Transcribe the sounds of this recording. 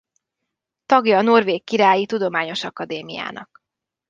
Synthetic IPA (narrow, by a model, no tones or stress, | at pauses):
t̪ɒɡjɒno̞rveːkːiɾaːjit̪ud̪o̞maːɲo̞ʃɒkɒd̪eːmija̰ːnʔɒ̰k